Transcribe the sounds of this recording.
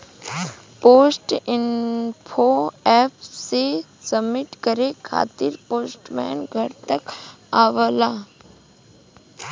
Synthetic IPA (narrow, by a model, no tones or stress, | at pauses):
poːsʈɪnpʰoɛːpʰse | səmːɪʈkəɾekʰa̰ːt̪ɪɾpoːsʈmɛ̰ːnɡʱɐɾt̪əkaːʋəlaː